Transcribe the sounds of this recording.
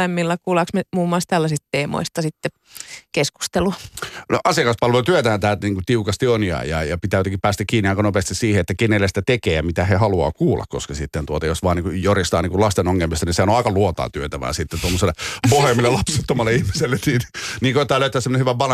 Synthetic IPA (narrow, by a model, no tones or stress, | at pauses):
emːilːɑkuːlɑksmemuːmuɑlst̪ælːæsist̪t̪eːmo̰ist̪ɑsit̪ːe | kesku̥st̪elunoʔɑsiɑkɑspɑlʋet̪yøt̪æːnt̪æːt̪niːŋkut̪iukɑst̪ionjɑ̰ːjɑ̰jɑpit̪æːjot̪ekipæːst̪ækkiːniɑˑikɑnopest̪issiːheet̪ːækenelːest̪æt̪ekeːjɑmit̪æhehɑluɑ̰ːkuːlːɑ̰kko̰skɑsit̪ːent̪uot̪ɑjosʋɑːniːŋkujorist̪ɑːniːŋkulɑst̪enoŋːelmist̪ɑniseæonoɑˑikɑluot̪ɑ̰ːt̪yøt̪æʋæ̰ːsit̪ːet̪uomːoselːepohemːilːelɑpset̪ːomɑlːeihmiselːetniːnniːŋkoit̪ːˑɑːløˑyt̪æːsemːonehyʋæpɑle